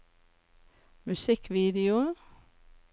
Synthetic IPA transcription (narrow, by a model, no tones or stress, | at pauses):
mʉsɪkʋiːd̪ɪʊ